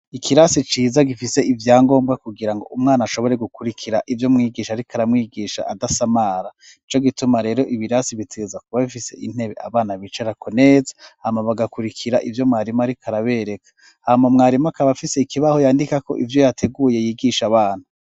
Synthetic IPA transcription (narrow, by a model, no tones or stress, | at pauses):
ikʰiɾasit͡ʃiːzaɡifise̞ivjaːŋɡo̞ːmbɡakuɡiɾaŋɡo̞̰umŋaːnaʃo̞βo̞ɾe̞ɡukuɾikʰiɾaʔivjo̞mŋiːɡiːʃaɾikʰaɾamŋiːɡiːʃa̰ʔadasamaɾa | it͡ʃo̞ɡitumaɾe̞ːɾo̞ʔiβiɾasiβitezakuβaβifise̞ʔin̥he̞βe̞̰ʔa̰βaːnaβit͡ʃeɾakʰo̞ne̞ːzḁhamaβaɡakuɾikʰiɾaʔivjo̞mŋaːɾimaaɾikʰaɾaβeɾe̞kʰḁ | hamamŋaːɾimakaβafise̞ikiβaho̞jaːndikako̞̰ʔivjo̞jatʰe̞ɡuːje̞jiːɡiʃaβaːn̥hu